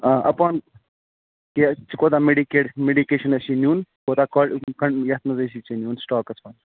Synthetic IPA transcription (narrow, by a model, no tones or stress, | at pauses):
aːʔɐpaːn | ket͡ʃikoːt̪aːmeɖikeːʈmeːɖikeːʃɐnɐʃinjuːnkoːt̪aːkokɐɳjɐt̪nɐzɐsit͡ʃinjuːnsʈaːkɐsʰʋaːn